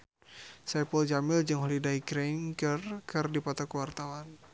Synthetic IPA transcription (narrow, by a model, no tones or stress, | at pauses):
sɛpuld͡ʒamild͡ʒɨŋɦɔlidaiɡɾɛnkərkʰɨrdipat̪ɔkəwart̪awan